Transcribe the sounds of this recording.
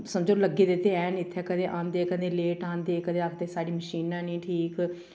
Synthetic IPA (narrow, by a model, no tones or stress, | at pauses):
səmd͡ʒoːləɡeːd̪et̪eɛːnɪt̪ʰːɛːkəd̪ẽːʔãːnd̪eːkəd̪ẽːleːʈãːnd̪eːkəd̪ẽːakʰd̪eːsaːɽiːməʃiːnãːnĩːʈʰiːk